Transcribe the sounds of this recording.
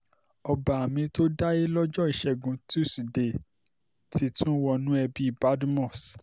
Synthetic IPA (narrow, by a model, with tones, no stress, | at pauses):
ɔ˧ba˨a˨mĩ˧to˦da˦ji˦lɔ˦d͡ʒɔ˦i˨ʃɛ˨ɡũ˨˦tu˦sde˨ | tʰi˧tũ˦wɔ˦nũ˦ɛ˧bi˦i˦˨ba˦dmɔ̃˦˨s